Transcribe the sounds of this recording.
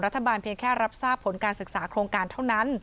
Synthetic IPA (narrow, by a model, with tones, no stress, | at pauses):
ɾa˦˥t̪ʰːa˧baː˧npʰi˧ənkʰɛː˥˩ɾa˦˥p̚saː˥˩pʰo˩˦nkaː˧nsɯ˨˩k̚saː˩˦kʰɾoː˧ŋkaː˧nt̪ʰa˥˩wna˦˥n